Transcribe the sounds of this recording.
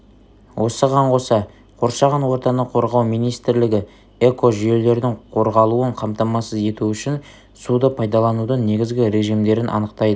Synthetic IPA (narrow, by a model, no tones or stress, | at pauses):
wʔo̞səʁɑɴqo̞sɑ | qʰo̞ɾʃɑʁɑnwo̞ɾt̪ɑnəqʰo̞ɾʁɑwmijnijst̪ɪɾlɪɡʲɪ | e̞ko̞ʒije̞le̞ɾd̪ɪŋqʰo̞ɾʁɑlˠuəɴqʰɑmt̪ɑmɑsəze̞t̪uʏʃɪn | sud̪əpʰɑjd̪ɑlˠɑnud̪əɴne̞ɡʲɪzɡʲɪɾe̞ʒijmd̪e̞ɾɪnʔɑ̰nəqt̪ɑjd̪ə